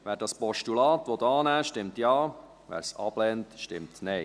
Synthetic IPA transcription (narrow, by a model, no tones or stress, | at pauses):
ʋɛːɾdɑspɔʃtulɑːtʋɔd̪ɑːnæːʃtɪmtjɑː | ʋæ̰ːɾsɑ̰b̥lɛntʃtɪmtnɛɪ